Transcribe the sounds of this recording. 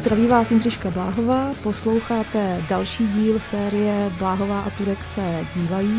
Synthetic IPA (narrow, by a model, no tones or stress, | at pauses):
t̪ɾaviːvaːsɪnrɪʃkablaːɦo̞vaːpo̞slo̞wxaːt̪ɛdalʃiːɟiːlsɛːɾɪjɛblaːɦo̞vaːʔat̪uɾɛksɛɟiːvajiː